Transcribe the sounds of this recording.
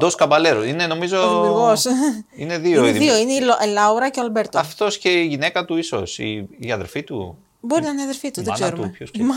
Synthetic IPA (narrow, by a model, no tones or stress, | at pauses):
d̪oskɐmbɐleɾoineno̞mizomiɣosine̞ðioeððioineioʔlɐuɾɐceoɐlbe̞ɾt̪oɐft̪o̞sce̞iʝine̞kɐt̪uiso̞̰sḭːɐðeɾfit̪ṵ | bo̞ɾinɐineɐðeɾfit̪uðekseɾumeçosm